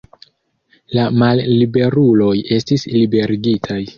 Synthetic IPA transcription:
lamalːibe̞ɾulo̞je̞stislibe̞ɾiɡitʰaj

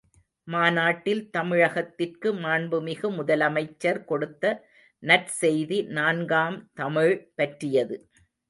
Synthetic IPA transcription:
maːnaːʈːɪlt̪ɐmɪɻɐɣɐt̪ːɪrkɯmaːɳbɯmɪɣɯmʊðɐlɐmɐɪt͡ʃːɐɾkɔɽɯt̪ːɐ | nɐʈsɛjðinaːnɡaːmt̪ɐmɪɻpɐʈrɪjɐðɯ

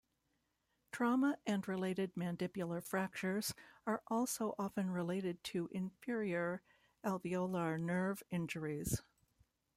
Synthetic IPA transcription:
tʰɹ̥ɑməʔɨ̃nɹɪleɪɾɨd̚mæ̃ndɪpjl̩ˠə˞fɹæk̚t͡ʃə˞z̥ə˞ʔɔlˠsoʊʔɑfɨ̃nɹɪleɪɾɨd̚tʰɨʔɪ̃ɱfɪɹiə˞ | ælˠvioʊlˠənɜ˞vɪ̃nd͡ʒə˞iz̥

